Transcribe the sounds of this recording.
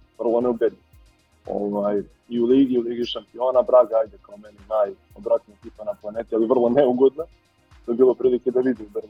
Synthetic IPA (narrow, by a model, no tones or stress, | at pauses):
ʋr̩lˠo̞neubed̪i | o̰ːvaːj | iulˠiːɡiuliːɡiʃampioːnabɾaːɡaaːjd̪ekaomeninaːj | obɾat̪nok̪ipanaplˠaneːt̪ialivr̩lˠo̞neuɡod̪no | t̪ojebiːlˠo̞pɾiːliked̪aʋid̪iube